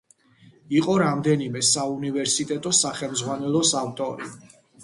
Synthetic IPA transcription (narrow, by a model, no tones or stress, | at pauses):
iqʼɔɾamd̪ɛnimɛsaunivɛɾsit̪ʼɛt̪ʼɔsaχɛlˠmzʁwanɛlˠɔsaft̪ʼɔɾḭ